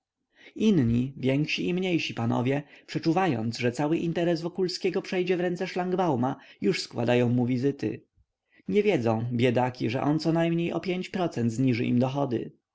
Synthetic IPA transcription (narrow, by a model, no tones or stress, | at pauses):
inɲivʲjɛŋkɕiʔimɲejɕipanɔ̰vʲjɛpʂɛt͡ʂuvajɔ̰nt̪sʐɛt̪sawɘʔint̪ɛɾɛzvɔkulskʲɛɡɔpʂɛjd͡ʑɛvɾɛnt̪sɛʂlaŋɡbawmajuʂskwa̰d̪ajɔ̃w̃muvʲizɘt̪ɘ̰ | ɲɛvʲjɛd̪zɔ̃w̃bʲjɛd̪akʲiʐɛ̰ʔɔnt̪sɔnajmɲejʔɔ̰pʲjeɲt͡ɕpɾɔt̪sɛnt̪zɲiʐɘʔḭmd̪ɔxɔd̪ɘ̰